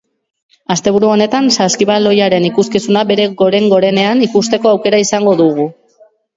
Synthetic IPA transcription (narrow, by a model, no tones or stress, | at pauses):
ast̪e̞β̞uɾuo̞ne̞t̪ansaskiβalo̞jaɾe̞nikuskisunaβe̞ɾe̞ɣo̞ɾe̞ŋɡo̞ɾe̞ne̞anikust̪e̞ko̞awke̞ɾaisaŋɡo̞ðuɣu